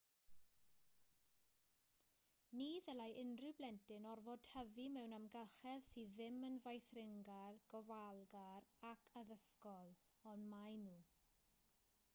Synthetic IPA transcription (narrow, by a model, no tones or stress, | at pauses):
niːðɛlajʔɪndrɨblɛntɪnɔrvɔd̥həvimɛwnamɡəlχɛðsiðɪmənvajθrɪŋɡarɡ̥ɔvalˠɡarakʰaðəskɔlˠ | ɔnmajnuː